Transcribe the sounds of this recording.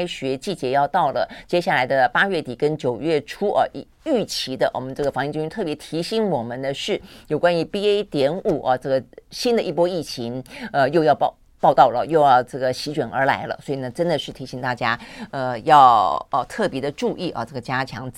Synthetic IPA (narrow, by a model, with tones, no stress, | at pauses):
ɪɕɥɛ˧˥t͡ɕi˥˩t͡ɕjɛ˧˥jɑ˥˧ʊt̪ɑ˥˩ʊlə˩t͡ɕjɛ˥ɕja˥˩la˧˥ɪd̪ə˧pa˥ɥɛ˥˩t̪i˨˩kə˥nt͡ɕjo˨˩ʊɥɛ˥˩ʈ͡ʂʰu˥ʔə̰˧˩ʔi˨˩ | y˥˩t͡ɕʰi˧˥d̪ə̰˧wʔɔ˨˩mə˦nʈ͡ʂɤ˥˩ɡə˩fɑ˧˥ŋi˥˧t͡ɕi˥y˥t̪ʰɤ˥˩pjɛ˧˥t̪ʰi˧˥ɕi˧˥ŋwɔ˨˩mə˦nd̪ə˧ʂɻ̩˥˩jo˨˩ʊkwa˥ny˧˥pi˥e˥ɪt̪jɛ˧˥nu˨˩ʔɐ˧ʈ͡ʂɤ˥˩ɡə˩ɕi˥nd̪ə˨ʔi˥˩pwɔ˥i˥˩t͡ɕʰi˧˥ŋə˧jo˥˧ʊjɑ˥˧ʊpɑ˧ | pɑ˥˧ʊt̪ɑ˥˩ʊlə˩jo˥˧ʊjʈ͡ʂɤ˥˩ɡə˩ɕi˧˥t͡ɕɥɛ˨˩nə̰˞˧˥la̰˧˥ɪlə̰˧swɔ˧˥i˨˩nə˧˦ʈ͡ʂə˥nd̪ə˨ʂɻ̩˥˩t̪ʰi˧˥ɕi˧˥ŋt̪a˥˩t͡ɕja˥ə˧jɑ˥˩˧ʊə˧t̪ʰɤ˥˩pjɛ˧˥d̪ə˧ʈ͡ʂu˥˧ʔi˥˩ʔɐ̰˧ʈ͡ʂɤ˥˩ɡə˩t͡ɕja˥t͡ɕʰjɑ̰˧˥ŋt͡s̩˨˩